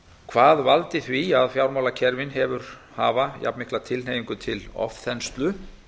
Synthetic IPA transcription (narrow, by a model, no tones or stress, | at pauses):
kʰvaːðvalt̪ɪθviaðfjawɾmawlacʰɛɾvɪnɦɛvʏɾ̥haːvaja̰pmɪhklat̪ʰɪlneːjiŋkʏt̪ʰɪlɔ̰fθɛnst̪lʏ